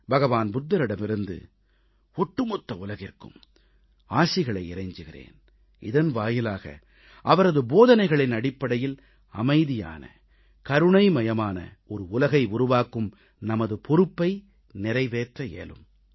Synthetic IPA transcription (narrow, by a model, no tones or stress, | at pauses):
bɐɣɐʋaːnbʊd̪ːɐɾɪɽɐmɪɾɯnd̪ɯ̰ | ɔʈːɯmɔt̪ːɐʊlɐɣɪrkɯ̰m | aːsɪɣɐɭɐɪɪɾɐɪɲd͡ʒɯɣɪrḛːn | ɪ̰ðɐnʋaːjɪlaːɣɐ̰ | ʔɐʋɐɾɐðɯboːðɐnɐɪɣɐɭɪnɐɽɪpːɐɽɐjɪl | ɐ̰mɐɪðɪja̰ːnɐ̰ | kɐɾɯɳɐɪmɐjɐmaːnɐ̰ | ɔɾɯʊlɐɣɐɪʊɾʊʋaːkɯm | nɐmɐðɯpɔɾɯpːɐɪ | nɪɾɐɪʋeːʈrɐḛːlɯ̰m